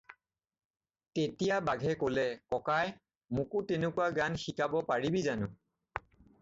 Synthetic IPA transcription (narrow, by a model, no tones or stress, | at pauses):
tetijabaɡʱɛkolɛkɔkaj | mʊkʊtenʊkuwaɡanxikabɔpaɹibizanʊ